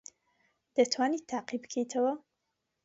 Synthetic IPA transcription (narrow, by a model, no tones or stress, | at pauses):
d̪̥ɐt̪ʰwaːnit̪ʰːaːqibɨkʰejt̪ʰɐwɐ